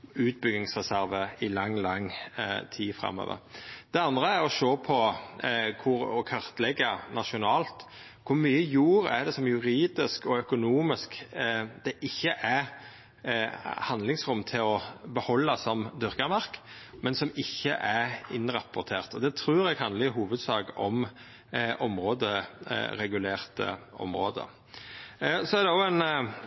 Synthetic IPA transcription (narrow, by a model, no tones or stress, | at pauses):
ʉːt̪̚bʏɡnɪŋsʁɛsæɾʋəɪlɑŋːlɑŋt̪ʰiːfɾɑ̰mːo̰ːʋə̰ɾd̪̥ɛɑnd̪ɾəæɾɔʃoːpʰɔ | kʰʊɾɔkʰɑʁt̪lɛɡːənɑʃʊnɑːlt̪ | kʰʊɾmyːəjuːɾæ̰d̪ɛsɔmjʉɾiːd̪ɪskɔœkʊnuːmɪskd̪̥ɛʔɪçːəʔæɾ | hɑnlɪŋsɾʊmːt̪ʰɪlɔbəhɔlːɑsɔmd̪ʏɾkəmɑʁkmɛnsɔmɪçːəʔæɾɪnɾɑpːʊɾt̪ʰeːʁt̪ɔd̪ɛt̪ʰɾʉːɾɛɡhɑnd̪əɪɦuːʋəd̪sɑːkɔm | ʔɔmɾoːd̪əɾɛɡʉleːʁt̪ə̰ʔɔ̰mɾo̰ːd̪ə̰ | sɔæɾd̪ɛɔæn